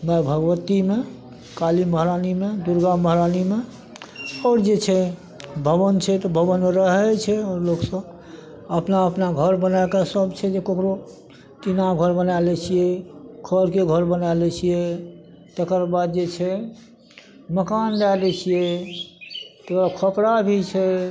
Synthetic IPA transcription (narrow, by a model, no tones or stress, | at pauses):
məbʱəɡʋət̪ime | kaliməɦɾanimed̪uɾɡaməɦɾanime | ɔːɾd͡ʒet͡ʃʰɛ | bʱəbənt͡ʃʰɛt̪ɔbʱəβənmeɾəɦɛt͡ʃʰɛɔːɾloksəb | əpnaəpnaɡʱəɾbənaekasəbt͡ʃʰɛd͡ʒekokɾo | tinaɡʱəɾbənalɛt͡ʃʰijɛkʰəɾkeɡʱəɾbənalɛt͡ʃʰijɛ | t̪ekəɾbad̪d͡ʒet͡ʃʰɛ | məkanɖalɛt͡ʃʰijɛ | t̪ekakʰəpɾabʱit͡ʃʰɛ